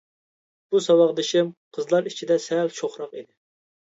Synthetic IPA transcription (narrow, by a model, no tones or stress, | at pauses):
b̥usɑwɑʁd̪ɪʃɪmqʰəzlˠɑɾit͡ʃʰid̪ɛsɛlt͡ʃʰoχɾɑqid̪ɪ